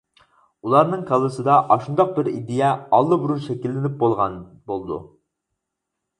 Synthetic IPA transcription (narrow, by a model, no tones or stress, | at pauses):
ulˠɑɾnɨŋkʰɑlˠɨsɨd̪ɑʔɑʃund̪ɑq̚bɪɾid̪ɪjɛɑlˠːɨbuɾuɾʃɛkʲilːɪnɪp̚bolˠʁɑn | bolˠd̪ṵ